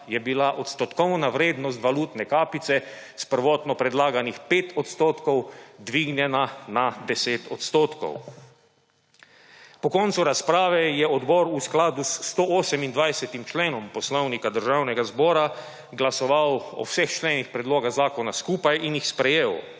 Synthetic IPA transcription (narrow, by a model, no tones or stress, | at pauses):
jɛbilaʔɔt̪st̪ɔt̪kɔwnaʋɾeːd̪nɔs̬t̪ʋaluːt̪nɛkaːpit̪sɛ | spəɾʋɔːt̪nɔpɾɛd̪laːɡanixpeːt̪ʰɔt̪st̪oːt̪kɔwd̪ʋiɡnjɛnanad̪ɛseːt̪ɔt̪st̪oːt̪kɔ̰w | pɔkɔnt̪suɾaspɾaːʋɛjɛɔd̪bɔɾusklaːd̪ust̪oːɔːsɛmind̪ʋajsɛt̪imt͡ʃleːnɔmpɔslɔwnikad̪əɾʒawnɛɡazbɔːɾa | ɡlasɔʋawɔ̰wsɛxt͡ʃleːnixpɾɛd̪loːɡaɣzaːkɔnaskuːpajʔinjixspɾɛjeːw